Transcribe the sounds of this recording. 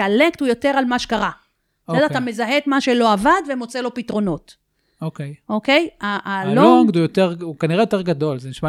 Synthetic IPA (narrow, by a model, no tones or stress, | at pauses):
alekt̪ujo̞teʁalmaʃekaʁa | jadat̪ame̞zaɦet̪maʃe̞lo̞avad̪vemo̞t͡selo̞pitʁo̞no̞t | okejʔokejaloɡd̪ujoteʁukaniʁejot̪eʁɡad̪o̞lzeniʃma